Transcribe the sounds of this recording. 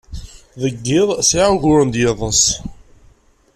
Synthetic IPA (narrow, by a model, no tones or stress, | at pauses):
ðəɡːɪðˤsiʕʊʝʊɾənd̪jeðˤəs